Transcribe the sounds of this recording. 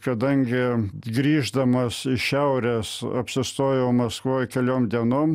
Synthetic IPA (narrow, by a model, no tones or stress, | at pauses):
kɐd̪ɐŋʲɡʲɪɡɾʲiːʒd̪ɐmɐsɪʃʲɛʊɾʲɛsɐ̰pʲsʲɪst̪oːjɛʊmɐskʋoːjkʲɛlʲoːmd̪ʲiɛnoːm